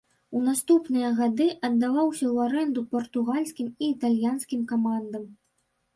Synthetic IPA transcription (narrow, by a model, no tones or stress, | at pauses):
unast̪upnɨjɐɣad̪ɨʔɐd̪ːavawsʲɐwaɾɛnd̪upɐrt̪uɣalʲsʲkʲimiːt̪alʲjanskʲimkamand̪ɐm